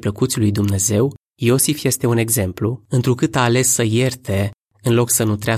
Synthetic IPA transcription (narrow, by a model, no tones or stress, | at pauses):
pləkut̪sʲlujd̪umne̞ze̞w | jo̞sifje̞st̪e̞une̞ɡze̞mpluɨnt̪ɾukɨt̪aːle̞sːəje̞rt̪e̞ | ɨnlo̞ksənut̪ɾea